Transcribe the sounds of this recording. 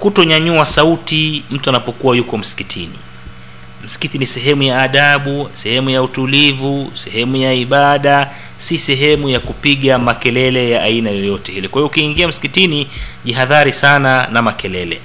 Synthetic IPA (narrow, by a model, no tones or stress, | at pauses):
kutɔɲaɲuasautim̩tuanapɔkuwajukɔm̩si̥kitʰinḭ | m̩si̥kitinisɛɦɛmujaːɗaɓusɛhɛmujautulivusɛhɛmujaiɓaɗa | sisɛɦɛmujakupiɠamakɛlɛlɛjaʔainajɔjɔtɛhilikwaiɔukiːŋɡiam̩si̥kitiniʄiɦaðaɾisananamakɛlɛlɛ̰